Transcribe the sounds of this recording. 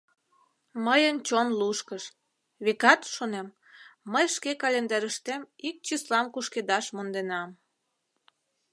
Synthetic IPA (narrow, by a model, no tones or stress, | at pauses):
məjənt͡ɕonluʃkəʃ | βekɑt̪ʃonemː | əjʃkekɑlʲend̪ɑɾəʃt̪emik̚t͡ɕislɑmkuʃked̪ɑʃmond̪enɑm